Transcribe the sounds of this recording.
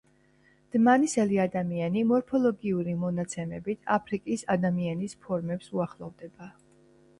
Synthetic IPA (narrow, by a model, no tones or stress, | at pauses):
d̪̥manisɛliad̪amianimɔɾpʰɔlˠɔɡiuɾimɔnat̪sʰɛmɛbit̪ʰapʰɾikʼisad̪amianispʰɔɾmɛpsuaχlˠɔvd̪ɛba